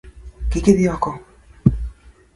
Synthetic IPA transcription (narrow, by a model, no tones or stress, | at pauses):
kikeβiako